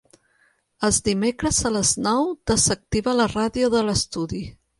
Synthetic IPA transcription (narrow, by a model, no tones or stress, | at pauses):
əlˠzd̪imekɾəzələznɔwd̪əzək̚t̪iβələraðiuðələst̪uði